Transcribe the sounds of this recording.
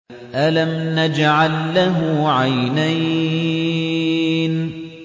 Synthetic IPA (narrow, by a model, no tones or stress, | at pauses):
ʔalamnad͡ʒʕalːaɦʊʕajnaj | n